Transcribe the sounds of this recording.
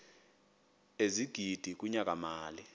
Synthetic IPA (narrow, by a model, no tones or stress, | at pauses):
eziɡ̥ʱid̥ʱik̬ʼuɲak̬ʼamaːli